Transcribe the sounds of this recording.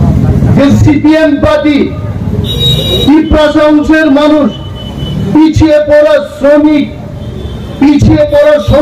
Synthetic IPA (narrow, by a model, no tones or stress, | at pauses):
esipiempaʈ̪i | ipɾaʃaũseɾmanuʃ | pit͡ɕʰiepɔɾasɾomik̚ | pit͡ɕʰiepɔɾaʃo